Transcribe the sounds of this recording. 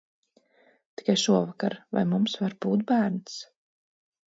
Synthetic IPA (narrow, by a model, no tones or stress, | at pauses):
t̪i̥kajʃuɔvaka̰ɾva̰jmumsvaɾb̥uːt̪̚bæːɾns